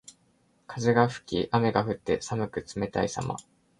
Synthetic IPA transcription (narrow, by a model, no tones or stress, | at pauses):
kʰazeɡaɸɯ̟̥kʲiʔame̞ɡaɸɯ̟t̪ːe̞̰samɯ̟kɯ̟t͡sɨme̞t̪aisa̰ma̰